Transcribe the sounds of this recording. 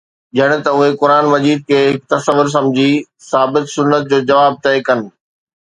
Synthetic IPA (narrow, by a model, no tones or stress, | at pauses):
d͡ʑɐɽ̃̆t̪ɐʊɦekʊɾaːnmɐd͡ʑiːd̪̚kʰeːɦɪk̚t̪ɐsəʋʊɾs̬ɐ̃md͡ʑʱi | saːbɪt̪sʊnːət̪̚d͡ʑoːd͡ʑɐʋaːb̚t̪ɐekɐnɪ̆